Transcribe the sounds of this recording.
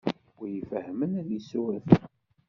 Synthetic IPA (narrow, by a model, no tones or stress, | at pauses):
ʊɾjifəhːmənæðjisuɾθ